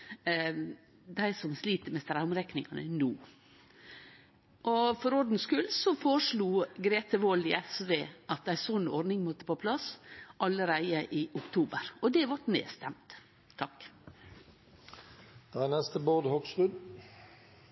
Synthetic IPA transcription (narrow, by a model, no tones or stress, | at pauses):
d̪æɪsɔmsliːt̪əmɛst̪ɾæʊmɾɛknɪŋɑnə̰nuː | ʔɔfɔɾɔɖ̪n̩skʉlsɔfoːɾəʂɭuːɡɾeːt̪əʋɔlɪɛsʋeːʔɑt̪̚d̪æɪsɔnɔɾd̪nɪŋmɔt̪ːə̥pʰoːpʰlɑsʔɑləɾæɪəʔɪʔʊkt̪ʰuːbəɾɔd̪ɛʋɑʈnḛːst̪ɛmt̪ʰː | ɑk | d̪̥ɑænɛst̪əboːd̪hɔɡsʁʉd̪